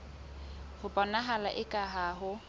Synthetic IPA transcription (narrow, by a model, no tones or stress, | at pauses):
hʊpʼɔnaɦalaʔɪkʼaɦaːɦʊ